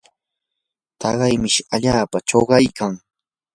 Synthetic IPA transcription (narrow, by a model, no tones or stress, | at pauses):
t̪ɑɢɑjmɪʃaʎaːpat͡ʃoɢɑjkaŋ